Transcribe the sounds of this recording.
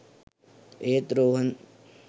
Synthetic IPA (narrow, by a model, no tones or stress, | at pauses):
eːt̪ɾoːɦɐn